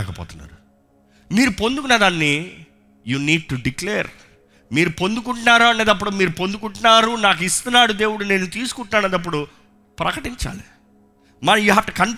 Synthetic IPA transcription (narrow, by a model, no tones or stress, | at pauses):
ɛːkɐpɔ̰ːt̪unːa̰ːɾu | miːɾupo̞nd̪uk̬unɐd̪aːnːi | juːniːɖ̚ʈuɖiklɛːɾ | miːɾupo̞nd̪uk̬uɳʈunaːɾuɐneːd̪ɐp̬ːuɽumiːɾupo̞nd̪uk̬uɳʈunaːɾunaːk̬ist̪unːaːɽud̪e̞ːwuɽune̞ːnːut̪iːsu̥kuɳʈunaːneːd̪ɐp̬ːuɽu | pɾɐkɐʈiɲt͡ʃa̰ːli | mɐnɐjiɦaʈːɐkɐn